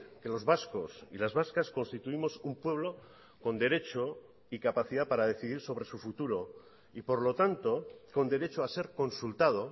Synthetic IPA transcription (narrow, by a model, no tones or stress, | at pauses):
ke̞lo̞zβasko̞silazβaskasko̞nst̪it̪uimo̞sumpwe̞βlo̞ | ko̞nd̪e̞ɾe̞t͡ʃo̞ | ikapaθiðapaɾaðe̞θiðiɾso̞β̞ɾe̞sufut̪uɾo | ipo̞ɾlo̞t̪ant̪o̞ko̞nd̪e̞ɾe̞t͡ʃoase̞ɾko̞nsult̪að̞o̞